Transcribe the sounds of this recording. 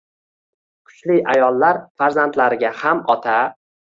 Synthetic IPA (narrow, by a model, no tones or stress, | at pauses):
qʰʊ̥ʃlɪajɒlˠːaɾfaɾzant̪laɾɪɡʲahamɒt̪ʰa